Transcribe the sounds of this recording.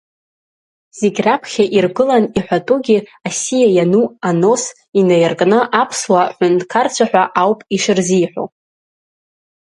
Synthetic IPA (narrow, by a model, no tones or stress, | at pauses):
z̥eɡʲrapʰχʲaʔirɡɨlaniħʷᶣatʼuɡʲiasijajanuano̞s | inajrkʼnɨʔapʰswaħʷᶣʊndkʰart͡ɕʷʰaħᶣʷaʔawpʼiʂɨrzijħʷo̰